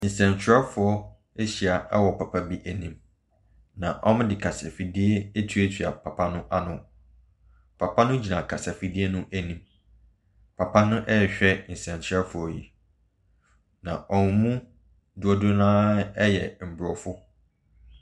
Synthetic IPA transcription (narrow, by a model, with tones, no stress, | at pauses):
n̩˨sɛ̃˨nt͡ɕʰɾɛ˦fʊ˨˦ɔ˦ | e˦ɕi˨a˨ɛ˦wɔ˨pʰa˨pʰa˦bi˦ʔæ˨nĩ˨m | nã˨ʔɔ˦mʊ̃˦dɪ˨kʰa˨sa˨fi˨di˦ɛ˦e˦tʰɥɛ˦tʰɥa˨pʰa˨pʰa˦nʊ̃˦ʔa˦nʊ̃˨ | pʰa˨pʰa˦nʊ̃˦d͡ʑi˨nã˨kʰa˨sa˨fi˦di˦e˦nʊ̃˦ʔæ˨nĩ˨m | pʰa˨pʰa˦nʊ̃˦ʔɛ˦˨ɕᶣɛ˦n̩˨sɛ̃˨n˨t͡ɕʰɛ˦fʊ˨ɔ˦jḭ˨ | nã˨ʔɔ˨n˨mũ˦ | du˨ɔ˨dʊ˦nãː˦ɛ˦jɛ˨m̩˨bɾɔ˨fʊ˦